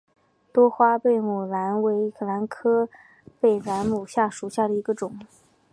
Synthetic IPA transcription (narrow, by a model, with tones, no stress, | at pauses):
t̪wɔ˥xwa˥pe˥˩ɪmu˨˩la˧˥nwe˧˥ɪ˧˥kʰɤ˥˩la˧˥nkʰɤ˥ | pe˥˩ɪla˧˥nmu˨˩ɕja˥˩ʂu˨˩ɕja˥˩ɾə˩i˧˥ɡə˧ʈ͡ʂʊ˨˩˦ŋ